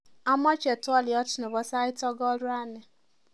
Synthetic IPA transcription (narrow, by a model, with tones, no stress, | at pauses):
a˦mɔ˦t͡ʃe˨tʊ˦ɔ˦lɪ˨ɔ˦tʊ˨nʊ˨bɔ˦sa˦ɪ˦tɔ˦ɡɔ˦ɾʊ˦a˦nɪ˨